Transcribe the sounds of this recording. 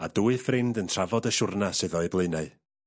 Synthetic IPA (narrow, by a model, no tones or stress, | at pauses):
aduːɨθrɪmdəntʰr̥avɔdəʃʊrnasɨðɔɨblˠɨnaɨ